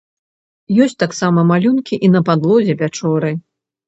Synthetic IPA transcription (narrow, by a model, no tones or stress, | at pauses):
jɔsʲt̪aksamɐmalʲunkʲiʔinɐpad̪lˠɔzʲɛvʲat͡ʂɔɾɨ